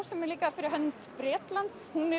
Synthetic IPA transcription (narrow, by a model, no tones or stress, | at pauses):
sɛmɛɾliːkaðfɪɾɪɦœnt̪bɾeːt̪lant̪shunɛ